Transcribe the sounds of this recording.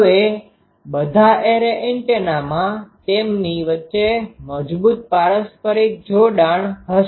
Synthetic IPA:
e | bəd̪ʱaʔeɾeʔeɳʈenamãt̪emniʋətːʃeməd͡ʒbut̪̚paɭəspəɾit̪̚d͡ʒʱoɖaɳɦəʃ

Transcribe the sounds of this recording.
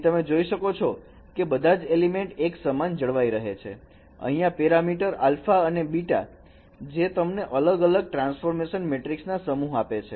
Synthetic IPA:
t̪əmed͡ʒoiʃəkot͡ʃʰɔ | kebəd̪ʱad͡ʒelimeɳʈeksəmand͡ʒəɭʋaiɾəɦet͡ʃʰḛ | ə̰ɦĩjãpɛɾamiʈəɾa̰lfaənebiʈa̰ | d͡ʒet̪əmneʔələɡələɡ̚ʈɾãnsfoɾmeʃənmeʈɾiksnasəmuɦapet͡ʃʰe

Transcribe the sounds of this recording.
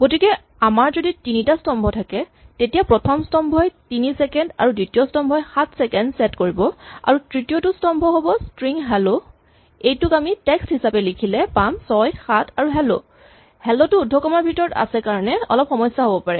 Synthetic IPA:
ɡ̥otikɛ | amaɹzoditinitastɔmbʱɔtʰakɛ | tetijapɹɔtʰɔmstɔmbʱɔjtinisɛkɛnda̰ɹuditijɔstɔmbʱɔjxatʰsɛkɛndsɛtkoɹibɔa̰ɹutɹitijɔtustɔmbʱɔɦobɔstɹiŋɦɛlo | ejtʊkamitɛksthisapɛlikʰilɛpamsɔjxatʰaɹuɦɛlo̰ | hɛlotʊːdʱːɔkɔmaɹbʱitɔɹta̰sɛkaɹɔnɛɔ̰lɔp̚xɔmɔjsːaɦobɔpaɹɛ

